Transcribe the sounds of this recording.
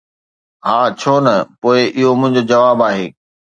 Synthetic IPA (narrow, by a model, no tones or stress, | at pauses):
ɦaːt͡ɕʰoːnɐpoːɪʔɪɦomʊ̃ɦɪ̃ɲd͡ʑoːd͡ʑɐʋaːbaːɦeː